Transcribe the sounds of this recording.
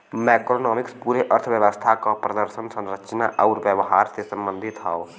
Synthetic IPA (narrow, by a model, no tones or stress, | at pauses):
mɛkɾonɔːmikspuɾeʔəɾt̪ʰʋjəʋəst̪ʰakɔpɾəd̪əɾsənsə̃nɾəkt͡ʃəna̰ʔaʊɾbjəʋəɦaɾsesəmbənd̪ʱit̪ɦɔo